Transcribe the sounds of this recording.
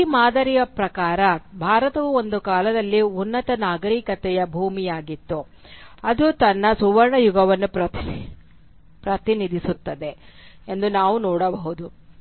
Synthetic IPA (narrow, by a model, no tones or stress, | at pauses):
maːd̪ɐɾijɐpɾɐkaːɾɐbʱaːɾɐt̪ɐʋuo̞nd̪ukaːlɐd̪ɐlːiunːɐt̪ɐnaːɡɐɾikɐt̪ɛjɐbʱuːmijaːɡit̪ːu | ɐd̪ut̪ɐnːɐsuʋɐɾɳɐjuɡɐʋɐnːupɾɐt̪ | pɾɐt̪inid̪ʱisut̪ːɐd̪e̞end̪unaːʋunɔːɽɐbɐɦud̪u